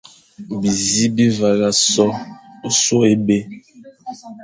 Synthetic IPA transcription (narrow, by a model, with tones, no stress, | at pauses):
bi˨zi˦bi˦va˨la˨sɔ˦so˦e˦be˦